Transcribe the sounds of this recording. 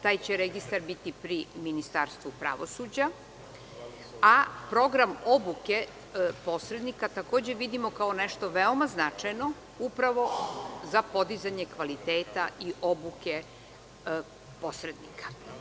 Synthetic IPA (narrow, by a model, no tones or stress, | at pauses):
t̪aːjt͡ɕeɾeɡist̪aɾbit̪ipɾiminist̪aɾst̪ʋupɾa̰ʋosud͡ʑa | apɾo̞ɡɾamo̞buke̞ | po̞sɾed̪nikat̪ako̞ːd͡ʑe̞ʋid̪imo̞kao̞neʃt̪o̞ʋeomaznat͡ʂajno̞ | upɾaʋo̞zapo̞d̪izaɲekʋalit̪eːt̪aʔiʔo̞buke | po̞sɾed̪nḭkḁ